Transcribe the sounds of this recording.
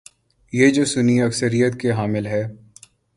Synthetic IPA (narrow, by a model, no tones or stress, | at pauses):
jeːd͡ʒoːsʊniɐksəɾijət̪keɦaːmɪlɦɛː